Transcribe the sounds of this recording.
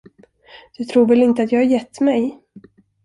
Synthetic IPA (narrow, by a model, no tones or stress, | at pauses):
d̪̥ɵt̪ʰɾuːɾvɛlɪnt̪əat̪jɑːɡhaɾjɛt̪ːmɛj